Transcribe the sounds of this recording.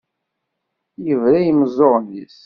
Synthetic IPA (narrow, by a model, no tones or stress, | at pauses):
jəvɾæjəmzˤːoʁˤnḭs